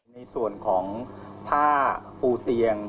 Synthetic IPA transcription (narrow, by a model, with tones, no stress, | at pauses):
na˧jsu˨˩ənkʰɔː˩˦ŋt̪ʰaː˥˩puː˧t̪i˧əŋ